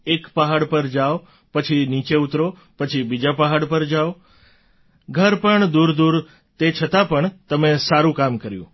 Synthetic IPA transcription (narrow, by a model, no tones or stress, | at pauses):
ekpəɦaɽpəɾd͡ʒaʋ | pət͡ʃʰinit͡ʃeut̪ɾo | pət͡ʃʰibid͡ʒapəɦaɽpəɾd͡ʒaʋ | ɡʱəɾpəɳd̪uɾd̪uɾ | t̪et͡ʃʰət̪apəɳt̪əmesaɾũkamkəɾjṵ̃